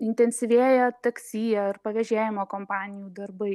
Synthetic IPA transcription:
ɪnʲt̪ʲɛnʲsʲɪʋʲeːjɛt̪ɐksʲiːjɛɐrpɐʋʲɛʒʲeːjɪmoːkoːmpɑːnʲɪjuːd̪ɐɾbɐɪ

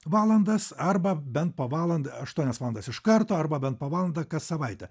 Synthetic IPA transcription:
ʋɑːlˠɐnd̪ɐsɐɾbɐbʲɛnt̪̚poːʋɑːlˠɐnd̪ɐɐʃt̪uɔnʲɛsʋɑːlˠnd̪ɐsɪʃkɐɾt̪oːɐɾbɐbʲɛnt̪poːʋɑːlˠɐnd̪ɐkɐssɐʋɐɪt̪ʲɛ

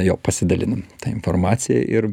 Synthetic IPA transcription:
jo̰ːpɐsʲɪd̪ɐlʲɪ̰nɐmt̪ɑɪnformɑːt̪sʲɪjɛ̰ʔɪɾ

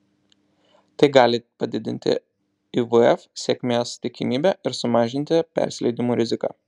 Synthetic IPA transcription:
t̪ɐɪɡɑːlʲɪpɐd̪ʲɪd̪ʲɪ̰nʲt̪ʲɪ̰ | iʋʊɛfsʲeːkʲmʲeːst̪ʲɪkʲɪmʲiːbʲɛɪɾsʊmɑːʒʲɪnʲt̪ʲɪpʲɛ̰ˑɾʲsʲlʲɛɪd̪ʲɪmuːɾʲɪzʲɪkɑ̰ː

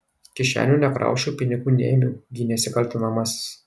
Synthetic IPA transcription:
kʲɪʃʲæ̰ːnʲuːnʲɛkɾɑ̰ˑʊʃʲuːpʲɪnʲɪɡuːnʲḛːmʲʊɡʲinʲɛsʲɪkɐlʲt̪ʲʊnɐmɐsʲs

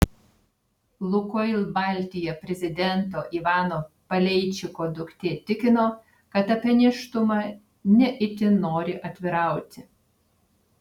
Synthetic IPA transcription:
lˠʊkoɪlʲˠbɑˑlʲt̪ʲɪjɛpʲɾʲɛzʲɪd̪ʲɛnt̪̬oːʔiʋɑːnoːpɐlʲɛɪt͡ʃʲɪkoːd̪ʊkt̪ʲeːt̪ʲɪkʲɪnoː | kɐt̪ɐpʲɛnʲɪʃt̪ʊmɑ | nʲɛʔɪt̪ʲɪnoːɾʲɪʔɐt̪ʲʋʲɪɾɑˑʊt̪ʲɪ

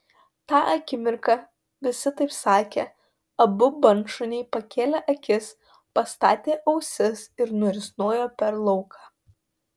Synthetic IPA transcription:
t̪ɑːʔɐkʲɪmʲɪɾkɑ | ʋʲɪsʲɪt̪ɐɪpsɑːkʲeː | ɐbʊbɐnʃʊnʲɛɪpɐkʲeːlʲɛʔɐkʲɪs | pɐst̪ɑ̰ːt̪ʲeːʔɐʊsʲɪsɪɾnʊɾʲɪsnoːjoːpʲɛɾlˠɔʊkʰɑː

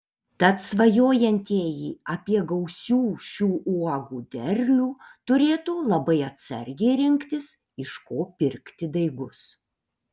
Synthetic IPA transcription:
t̪ɐt̪sʋɐjoːjɛnʲt̪ʲiːjiːɐpʲiɛɡɐʊsʲuːʃʲuːʔuɔɡuːd̪ʲɛɾʲlʲuːt̪ʊɾʲeːt̪uːlˠɐbɐɪɐt̪ʲsɐ̰ɾʲɡʲɛɪɾʲɪŋʲkt̪ʲɪs | ɪʃkoːpʲɪɾʲkt̪ʲɪd̪ɐɪɡʊs

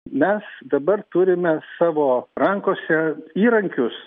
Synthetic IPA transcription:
mʲɛsd̪ɐbɐrt̪ʊɾʲɪmʲɛsɑːʋoːɾɐŋkoːsʲɛiːɾɐŋʲkʲʊs

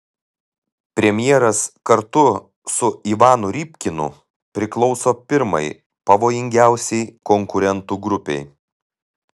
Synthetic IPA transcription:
pʲɾʲɛmʲjɛɾɐskɐɾt̪ʊ | sʊiʋɑːnʊɾʲiːpʲkʲɪnʊ̰ | pʲɾʲɪklˠɔʊsoːpʲɪɾmɐ̰ɪ | pɐʋoːjɪŋʲɡʲæˑʊsʲɛɪkɔŋkʊɾʲɛnt̪uːɡɾʊpʲɛ̰ɪ

